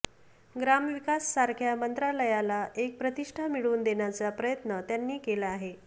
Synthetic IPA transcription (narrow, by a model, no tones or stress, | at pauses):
ɡɾamʋikasːaɾkʰjamənt̪ɾaləjalaʔek̚pɾət̪iʂʈʰamiɭuːnd̪eɳjat͡sapɾəjət̪nət̪janːiːkelaaɦe